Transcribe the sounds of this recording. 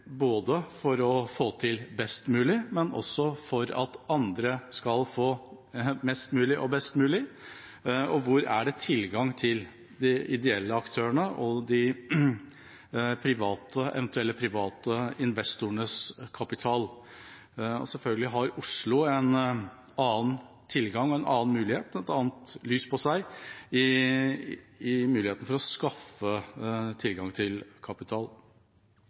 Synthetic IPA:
boːd̪əfɔɾɔfoːt̪ʰɪlbɛst̪mʉːlɪmɛnʔɔ̰sːɔfɔɾɑ̰t̪ɑnd̪ɾəskɑlfoː | mɛst̪mʉːlɪʔɔbɛst̪mʉːlɪ | ɔʋʊɾæ̰ɖɛt̪ʰɪlɡɑŋt̪ʰɪl | d̪ɪɪd̪ɛɛlːəɑkt̪ʰøːəɳəʔɔd̪ɪ | pʰɾɪʋɑːt̪əɛ̰ʋɛnt̪ʉɛlːəpʰɾɪʋɑːt̪əɪnʋɛst̪ʊəɳəskʰɑpɪt̪ʰɑːl | ɔ̰sɛlfœlɡəlɪɦɑɾʊʂɭʊɛn | ɑːən | t̪ʰɪlɡɑŋɔɛnʔɑ̰ːnmʉːlɪheːt̪ɛt̪ɑːnt̪lyːspʰɔsæɪɪ | ɪmʉːlɪeːt̪n̩fɔɾɔskɑfət̪ʰɪlɡɑŋt̪ʰɪlkʰɑpɪt̪ʰɑːl

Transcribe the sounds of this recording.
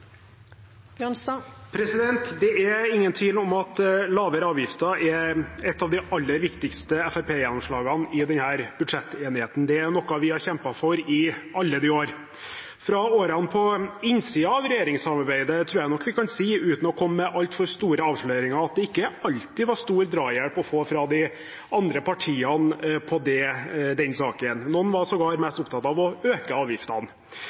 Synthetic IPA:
pʰɾɛsɪd̪ɛnt̪d̪ɛɛɪŋːənt̪ʰʋiːlɔmɑt̪lɑːʋəɾɑːʋjɪft̪əɑɾʔɛɾɛt̪ːɑːʋd̪ɪʔɑlːəɾʋɪkt̪ɪkst̪əɛfæpʰeːjɛnɔmʂɭɑːɡɑnɪd̪ɛnhæːɾb̥ʉd̪ʂɛt̪ːeːnɪheːt̪n̩d̪ɛæɾnɔkːɑʋɪhɑɾçɛmpɑfɔɾɪɑlːəd̪ioːɾ | fɾɑoːɾɑnpʰɔɪnsiːɑɑʋɾɛjeːɾɪŋsɑmɑɾbæɪd̪ət̪ʰɾuːɾjæɪnɔkːʋɪkɑnsiːʉːt̪n̩ɔkʰɔmːmɛʔɑlt̪fɔɾst̪uːɾəɑːʋʂɭøːɾɪŋɑɑt̪̚d̪ɛɪkːəɑlt̪ɪʋɑʂt̪uːɾd̪ɾɑːjæɽpɔfoːfɾɑd̪ɪ | ɑnd̪ɾəpʰɑʈʰiːɑnpʰɔd̪ɛd̪ɛnsɑːkənːɔnːʋɑsɔɡɑːɾmɛst̪ʊpt̪ʰɑt̪ɑʋɔøːkəɑːʋjɪft̪ɑn

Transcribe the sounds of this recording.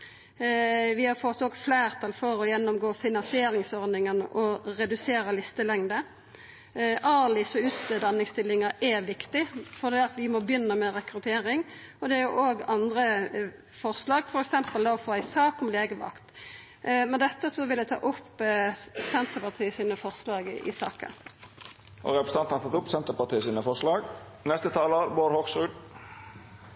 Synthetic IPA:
ʋɪhɑɾfɔt̪ːoːɡflæːɾt̪ʰɑlfɔɾɔjɛnːɔmɡoːfɪnɑnsɪeːɾɪŋsɔɾd̪ɪŋənəʔɔɾɛd̪ʉseːɾəlɪst̪əlɛŋd̪ə | ʔɑːlɪsɔʉːt̪əd̪ɑnːɪŋst̪ɪlːɪŋəʔɛʋɪkt̪ɪfɔʁd̪ɛːɑt̪ʋɪmɔbjʏnːəmɛɾɛkɾʉt̪ʰeːɾɪŋɔd̪ɛæɾjʊʔoːɡɑnd̪ɾə | fɔʁslɑːɡfɔɾɛksɛmpəld̪ɑɔfoːæɪsɑːkɔmleːɡəʋɑ̰kt̪ | mɛnd̪ɛt̪ːəsɔʋɪlɛt̪ʰɑ̰ːʔʊpː | sɛnt̪əpɑt̪ʰiːəsiːnəfɔʁslɑːɡʔɪ̰sɑ̰ːkə̰ | ʔɔ̰ɾɛpɾəsə̥ɑnt̪n̩hɑt̪ʰɔt̪ʊpsɛnt̪əpɑt̪ʰiːəsiːnəfɔɾʂlɑːɡ | nɛst̪ət̪ʰɑːləɾboːɾhoksɾʉːd̪

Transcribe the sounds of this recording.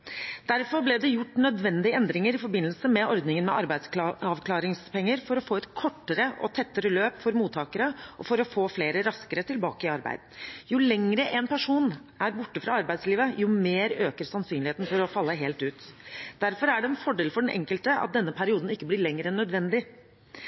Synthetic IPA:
d̪̥æɾfɔɾblɛd̪ɛjʊʈːnœd̪ʋɛnd̪ɪəɛnd̪ɾɪŋəɾɪfɔɾbɪnːlsəmɛɔɾd̪nɪŋənmɛ̰ʔɑɾbæɪsɑʋkʰlɑːɾɪŋspɛŋːəɾfɔɾɔfoːɛt̪kʰɔʈːəɾəʔɔ̰t̪ʰɛt̪ːəɾəløːpfɔɾmuːt̪ʰːɑːkəɾəʔɔfɔɾɔfoːfleːɾəɾɑskəɾət̪ʰɪlbɑ̰ːkəɪɑɾbæ̰ɪd̪n̩jʊlɛŋɾəʔɛnpæʂuːnʔæɾbʊʈːəfɾɑɑɾbæɪd̪sliːʋəjʊmeːɾøːkəɾsɑnsyːnlɪheːt̪n̩fɔɾɔfɑlːəɦeːlt̪ʉːt̪d̪̥æɾfɔɾæɖɛɛnfɔɖeːlfɔɖɛnʔɛ̰ŋkəlt̪əɑ̰t̪̚d̪ɛnːəpʰæɾɪuːd̪n̩ɪkːəblɪɭɛŋːəɾɛnːœd̪ʋɛnd̪ɪ

